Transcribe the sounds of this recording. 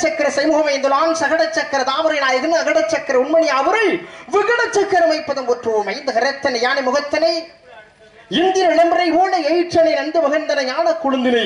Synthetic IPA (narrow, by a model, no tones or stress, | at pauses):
t͡ʃːɐkːɐɾɐsɐjmuːɣɐmɐɪnd̪ɯlaːnsɐɣɐɽɐt͡ʃːɐkːɐɾɐt̪aːʋɐɾɐjɪnaːjɐɣɯnɐɐɣɐɽɐt͡ʃːɐkːɐɾɐʊnmɐnɪjaːʋɐɾɐlʋɪɣɐɽɐt͡ʃːɐkːɐɾɐmɐɪpːɐðɐnkoʈrɯʋoːmɐjɪnd̪ɐkɐɾɐt̪ːɐnɐɪjaːnɐmʊɣɐt̪ːɐnɐj | ɪnd̪ɪnɐnɐmbɐɾɐɪʋoːnɐɛjɪt͡ʃːɐnɐɪjnɐnd̪ɯmɐɣɐnd̪ɐnɐɲaːnɐkːʊɻɯnd̪ɪnɐ